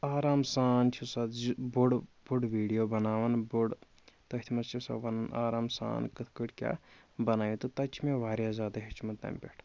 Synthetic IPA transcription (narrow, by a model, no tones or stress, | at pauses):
aːɾaːmsaːnt͡ʃʰusɐd̪buɽbuɽʋiːɖijobɐnaːʋɐnbuɽ | t̪ɐɦit̪ʰimɐst͡ʃʰisɐ̰bɐnɐna̰ːɾaːmsa̰ːnkɨt̪ʰkəʈʲkʲa̰ː | bɐnaːjit̪ut̪ɐt͡ʃʰimeʋaːɾjazaːd̪ɐɦit͡ʃʰimɐt̪ɐ̰ːmpʲeʈʰ